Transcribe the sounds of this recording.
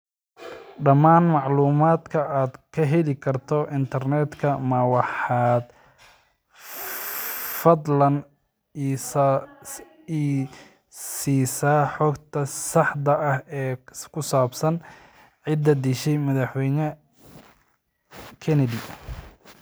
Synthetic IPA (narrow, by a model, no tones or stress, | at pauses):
ɖɐmaːnmɑʕluːmaːd̪kʰɐaːd̪kʰɐɦɛlɪkʰɐrt̪ʰɔɪnt̪ʰɐrnɛːd̪kʰɐmɐwɑħɑːd̪ | fɐd̪lɐn | siːsaːħɔɡt̪ʰɐsɑħd̪ɐʔɐhɛːkʰʊsaːbsɐn | ʕɪd̪ɐd̪iʃɛjmɐðɑħwɛjnɐ | kʰɛnɛdi